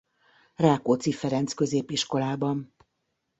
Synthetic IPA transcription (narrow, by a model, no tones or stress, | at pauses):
raːkoːt̪sifɛɾɛnt̪skø̞zeːpiʃko̞laːbɒn